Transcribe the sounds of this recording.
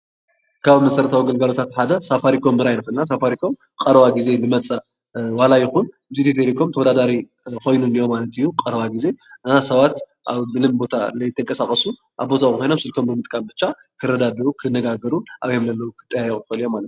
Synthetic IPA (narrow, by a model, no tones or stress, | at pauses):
kʰaβmɐsɐɾɐt̪ʰawɡɐlɡalo̞t̪ʰat̪ħad̪ɐsafaɾikʰo̞mːɨɾajnɨkunnas̬afaɾikʰo̞m | kʼɐɾwaɡize̞lɨmɐt͡sʼɐ | walajɪxun | ɨzit̪it̪ʰeɾikʰo̞mt̪ʰɐwɔd̪ad̪aɾiko̞jnunijo̞malɐt̪ijːuqʼɐɾwaɡize̞ʔɨnasɐβat̪ | ʔa̰βbɨlɨmbo̞t̪ʰalɐjɪt̪ʰːɐŋkʼɐsakʼɐsu | ʔaβbo̞t̪ʰaxʰojno̞msɨlkʰo̞mbɨmɨt̪ʼkʼambɨt͡ʃːa | kʰɨɾɐd̪ad̪ɐɾukʰɨnːɐɡaɡɐɾuʔaβjomlɐlːɐwkʰɨ̥t̪ʼːɐjajʔʼxɐlijomalɐt̪